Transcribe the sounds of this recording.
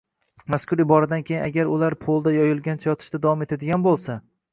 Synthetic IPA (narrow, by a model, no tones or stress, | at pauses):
maskʰʊɾɪbɒɾad̪ankʲʰejɪnaɡʲaɾʊlaɾpʰolˠd̪ajɒjɪlˠɡʲant͡ʃʰajɒt̪ʰɪ̥ʃt̪ad̪avɒme̞t̪ʰad̪ɪɡʲanbolˠsa